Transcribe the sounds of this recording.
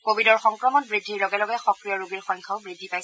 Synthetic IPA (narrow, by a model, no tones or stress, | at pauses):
kobidɔɹxɔŋkɹɔmɔnbɹidʱːiɹlɔɡɛlɔɡɛxɔkɹijɔɹuɡiɹxɔjŋkʰaʊbɹidʱːipajs